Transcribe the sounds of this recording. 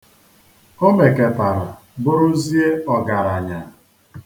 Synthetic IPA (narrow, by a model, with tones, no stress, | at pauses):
o˦me˨ke˨pa˨ɾa̰˨ | bʊ˦ɾʊ˦zi˦e˦ɔ˨ɡa˨ɾa˨ɲa˨